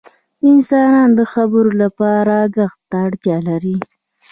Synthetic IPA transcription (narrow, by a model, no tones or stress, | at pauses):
ɪnsɑnɑnd̪əxabəɾolapɑɾaɡaxt̪aːɽt̪jɑlaɾi